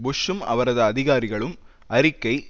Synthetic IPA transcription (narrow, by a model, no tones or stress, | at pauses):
bʊʂɯmɐ̰ʋɐɾɐðɯɐðɪɣaːɾɪɣɐɭɯm | ɐɾɪkːɐɪ